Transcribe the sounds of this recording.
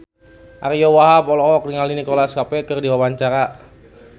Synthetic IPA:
ʔaɾijɔwaɦapɔlɔɔk̚diŋalinikolaskapɛkɨrdiwawaɲt͡ʃaɾa

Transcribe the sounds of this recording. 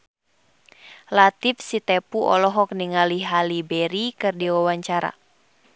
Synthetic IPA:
lat̪ifsit̪ɛpuʔɔ̰lɔɦɔk̚niŋaliɦalibɛɾikɨrdiwawaɲt͡ʃaɾa̰

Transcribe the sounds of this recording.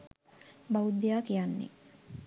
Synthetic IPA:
bawud̪jaːkijanːḭ

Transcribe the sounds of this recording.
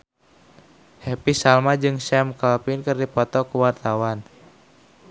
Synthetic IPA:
hɛpisalmad͡ʒɨŋsɛmkalpinkɨrdipɔt̪ɔkuwart̪awan

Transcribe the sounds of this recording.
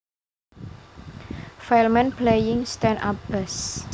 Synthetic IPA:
falmɛ̃nplejɪŋst̪ɛna̰p̚bɛs

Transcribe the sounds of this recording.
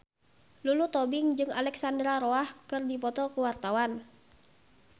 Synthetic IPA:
lulut̪ɔbɪŋd͡ʒɨŋa̰lɛksandɾaɾɔahkɨrdipɔt̪ɔkuwart̪awan

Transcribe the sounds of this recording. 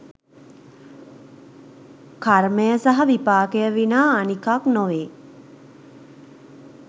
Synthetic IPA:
kaɾməjəsaɦɐʋipaːkejəʋinaːnikaknoʋeː

